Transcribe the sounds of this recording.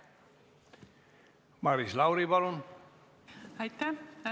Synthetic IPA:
maɾislawɾibalon | ajt̪a

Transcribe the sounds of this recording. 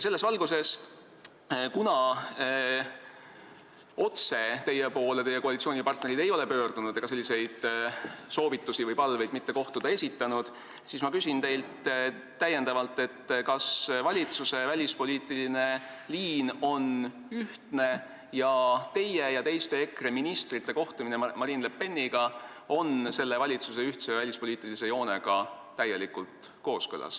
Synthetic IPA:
se̞lːesvɑlɡ̥use̞s | kunɑ | o̞t̪se̞t̪e̞jːepo̞ːlet̪e̞jːekoɑlit̪sˑio̞ːnipɑrt̪ne̞ɾid̪e̞jo̞le̞pø̞ːrd̪̥unud̪̥eɡɑse̞lʲːise̞jd̪̥so̞ːvit̪ːusivɯjpɑlvejd̪mit̪ːe̞ko̞ht̪ud̪̥ɑe̞sʲit̪ːˑɑnud̪̥ | siːsmɑkysʲint̪e̞jlt̪ː | æjːe̞nd̪ɑvɑlt̪ːˑe̞t̪ːkɑsvɑlʲit̪suse̞vælʲispo̞lʲiːt̪ːˑiline̞liːno̞n | yht̪ne̞ | jɑt̪e̞jejɑt̪e̞jst̪e̞ekreminist̪rit̪ˑːe̞ko̞ht̪uminemɑɾiːnlepːe̞nːiɡ̥ɑ | o̞nse̞lːevɑlʲit̪suse̞yht̪se̞vælʲispo̞lʲiːt̪ːˑilise̞jo̞ːne̞ɡ̥ɑ | t̪æje̞likˑult̪ | ko̞ːskɤ̰lɑ̰s

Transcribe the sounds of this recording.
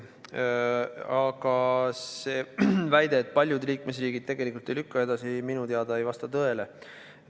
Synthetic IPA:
ɑɡ̥ɑseːvæjd̪e̞ːt̪̚ːˑpɑlʲjud̪liːkmesriːɡ̥id̪̥̚t̪e̞ɡ̥e̞likult̪ːˑe̞jlykːɑe̞d̪̥ɑsiminut̪eɑd̪̥ɑejvɑst̪ɑt̪ɤe̞le

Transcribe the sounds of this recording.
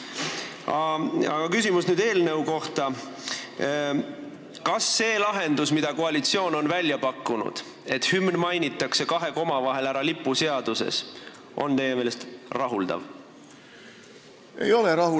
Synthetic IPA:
ɑɑ̰ɡ̥ɑkysimusnyːd̪e̞ːlne̞uko̞ht̪ɑ | kɑsːe̞ːlɑɦe̞nd̪̥usmid̪̥ɑkoɑlit̪sio̞ːno̞nvælʲjɑpɑkːunṵd̪̥ | e̞t̪hymnmɑjnit̪ˑːɑkse̞kɑɦe̞ko̞mɑvɑɦe̞læɾɑlipːˑuse̞ɑd̪̥use̞̰s | ʔo̞̰nt̪e̞jemeːlest̪rɑɦuld̪̥ɑ̰v | ḛjo̞leɾɑhu

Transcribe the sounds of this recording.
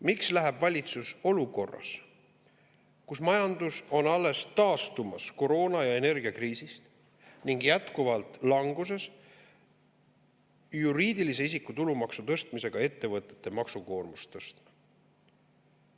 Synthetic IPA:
mikslæɦebvɑlʲit̪suso̞luko̞rːɑ̰s | kusmɑjɑnd̪uso̞nɑlːe̞st̪ɑːst̪umɑsko̞ɾo̞ːnɑjɑe̞ne̞rɡiɑkriːsist̪ | niŋɡjæt̪kuvɑlt̪ˑlɑŋɡus̬e̞s | juɾiːd̪ilise̞is̬ikːˑut̪ulumɑksut̪ɤ̞st̪mise̞ɡ̥ɑe̞t̪ːe̞vɤt̪ːˑe̞̥t̪ːe̞mɑksuko̞ːrmust̪ɤst̪mɑ

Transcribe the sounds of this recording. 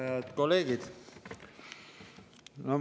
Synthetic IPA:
eɑd̪̥kolːeːɡid̪̥ | no

